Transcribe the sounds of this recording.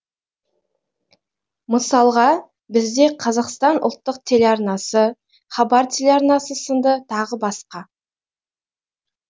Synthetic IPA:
məsɑlˠʁɑ | bɪzd̪e̞qʰɑzɑqst̪ɑnʔʊlˠt̪ːəq̚t̪ʰe̞lʲeɑɾnɑsə | χɑbɑɾt̪ʰʲelʲeɑɾnɑsəsənd̪ət̪ʰɑʁəbɑsqɑ

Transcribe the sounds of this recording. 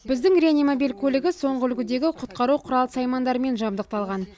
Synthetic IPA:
bɪzd̪ɪŋrʲeanʲimobilʲkʲʰɵlɪɡʲɪso̞ɴʁəʏlɡʲɪd̪e̞ɡʲɪqʰʊt̪qɑɾuqʰʊɾɑlˠəsɑjmɑnd̪ɑɾəme̞nʒɑmd̪əq̚t̪ɑlˠʁɑn

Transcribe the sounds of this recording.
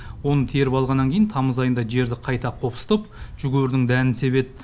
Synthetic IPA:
wo̞nət̪ʰeɾɪpɑlˠʁɑnːɑŋkʲʰejɪnt̪ʰɑməzɑjənd̪ɑʒe̞ɾd̪ɪqʰɑjt̪ɑqʰo̞psə̥t̪əpʒ̥ʏɡʲeɾd̪ɪŋd̪ænɪnse̞βe̞t̪̚

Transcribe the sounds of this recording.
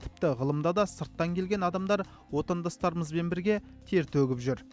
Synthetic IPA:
t̪ʰɪ̥p̚t̪ɪʁəlˠəmd̪ɑd̪ɑsəɾt̪ːɑŋkʲʰe̞lɡʲe̞nɑd̪ɑmd̪ɑɾ | wo̞t̪ɑnd̪ɑst̪ɑɾəməzbe̞nbɪɾɡʲe̞ | t̪ʰe̞ɾt̪ʰɵɡʲɪpʒʏɾ

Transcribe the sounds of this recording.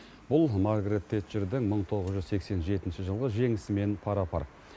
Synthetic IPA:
b̥ʊlˠmaɾɡɾet̪ʰːet̪ʒɪɾd̪ɪŋməɴt̪ʰo̞ʁəzʒʏzse̞kse̞nʒe̞t̪ɪnʃɪʒəlˠʁəʒe̞ŋɪsɪme̞npʰɑɾɑpʰɑ̰ɾ

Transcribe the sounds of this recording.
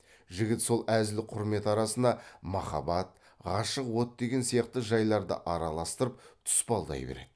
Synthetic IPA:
ʒɪɡʲɪt̪so̞lˠæzɪlɪqʰʊɾme̞t̪ɑɾɑsənɑmɑχɑ̰bɑt̪̚ | ʁɑʃəqwo̞t̪̚d̪e̞ɡʲe̞nsijɑqt̪əʒɑjlˠɑɾd̪ə̰ʔɑɾɑlˠɑst̪əɾəp̚t̪ʰʊ̥spɑlˠd̪ɑ̰jbeɾe̞̰d̪ɪ

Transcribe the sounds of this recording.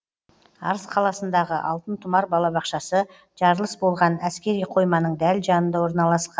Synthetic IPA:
ɑ̰ɾəsqʰɑlˠɑsənd̪ɑʁəʔɑ̰lˠt̪ənt̪ʰʊmɑɾbɑlˠɑbɑqʃɑsə | ʒ̥ɑɾlˠəsbo̞lˠʁɑnæskʲe̞ɾijqʰo̞jmɑnəɴd̪ælʒɑnənd̪ɑwo̞ɾnɑlˠɑsqɑn

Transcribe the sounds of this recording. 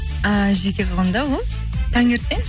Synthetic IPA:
əʒekʲeqʰɑlˠʁɑnd̪ɑwolˠ | t̪ʰɑŋɡʲeɾt̪e

